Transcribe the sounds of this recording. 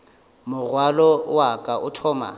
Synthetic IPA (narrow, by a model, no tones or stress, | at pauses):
mʊɣwalɔwakʼaʊtʰɔːma̰